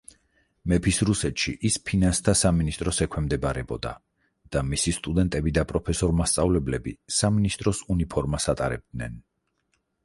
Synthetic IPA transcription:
mɛpʰisɾusɛt̪ʃiʔispʰinanst̪ʰasaminist̪ʼɾɔsɛkʰwɛmd̪ɛbaɾɛbɔd̪a̰ | d̪̥amisist̪ʼud̪ɛnt̪ʼɛbid̪apʼɾɔpʰɛsɔɾmast̪sʼavlɛblɛbisaminist̪ʼɾɔsunipʰɔɾmasat̪ʼaɾɛ̰b̚d̪̥nɛn

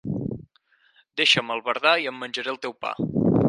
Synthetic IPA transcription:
d̪eʃəməlˠβəɾðaiəmːənʲʒəɾelˠt̪ɛwpa̰

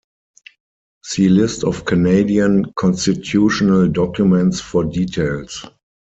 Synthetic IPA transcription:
zilɪstɔfkʰaneɪdiə̃nkʰɔ̃nstitʰjuːʃɔnəldɔkjumɛ̃ntsfɔdiːtʰeɪls

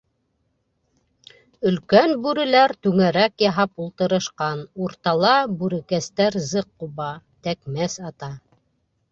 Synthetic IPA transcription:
ɵ̆lkænbʉɾɘ̆læɾt̪ʉŋæɾækjɑɦɑpulˠt̪ɤ̆ɾɤ̆ʃqɑnuɾt̪ɑlˠɑbʉɾɘ̆kæst̪æɾzɤqːuβɑt̪ækmæsɑt̪ɑ

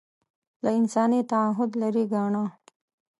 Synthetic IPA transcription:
laɪnsɑːnit̪aaɦʊd̪laɾiɡaɳa

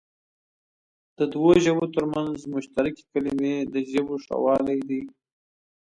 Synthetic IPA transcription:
d̪̥əd̪woʒəbot̪əɾmanzmʊʃt̪aɾɪke̥kalimed̪əʒəboʂa̰wɑlajd̪i

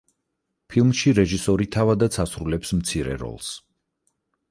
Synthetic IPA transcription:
pʰilˠmʃiɾɛʒisɔɾit̪ʰavad̪at̪sʰasɾulɛpsmt̪sʰiɾɛ̰ɾɔ̰lˠs

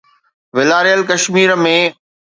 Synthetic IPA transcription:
ʋɪlaːɾijəlkɐʃmiːɾmẽː

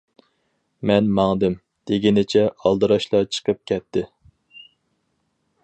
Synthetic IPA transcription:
mɛnmɑŋd̪ɪm | d̪̥eɡʲinɪt͡ʃʰɛʔɑlˠd̪ɨɾɑʃlˠɑt͡ʃʰə̥qʰəp̚kʲʰɛt̪ʰːɪ

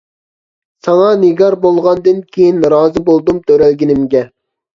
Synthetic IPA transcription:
sɑŋɑnɪɡɑɾbolˠʁɑnd̪ɨnkʲʰejinɾɑːzɨbolˠd̪umt̪ʰøɾælɡʲinɪmɡʲɛ

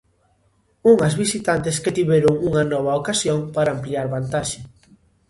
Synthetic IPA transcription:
uŋɐzβisit̪ant̪ɪsket̪iβɛɾʊŋuŋɐnɔβɐokasjoŋpaɾaːmpliaɾβant̪aʃɪ

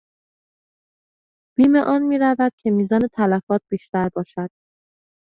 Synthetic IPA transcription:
b̥iːme̞ʔɒːnmiːɾævæd̪̥̚cʰe̞miːzɒːne̞t̪ʰælæfɒːt̪̚b̥iːʃt̪æɾbɒːʃæd̪̥̚

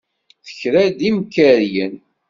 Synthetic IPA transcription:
θə̥çɾæd̪imkəɾjən

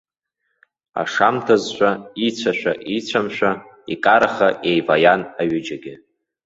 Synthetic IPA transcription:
a̰ʂamtʰazʃʷait͡sʷʰaʃʷᶣa̰ʔit͡ɕʷʰamʃʷᶣa | ikʼaɾaχaʔejvajanaɥʏd͡ʒaɡʲɪ

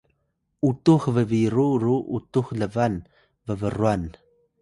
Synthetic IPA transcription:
utuxvəviɾuɾuʔutuxləvan | vəvərwan

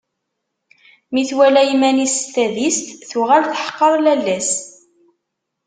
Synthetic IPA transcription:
miθwælæjimænist̪æðist̪θuʁælθħə̥qːɑɾˤlælːæs

